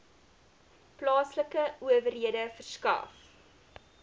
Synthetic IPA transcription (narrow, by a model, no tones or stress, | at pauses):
plɑːsləkəuəvərɦiədəfərskɐ̰f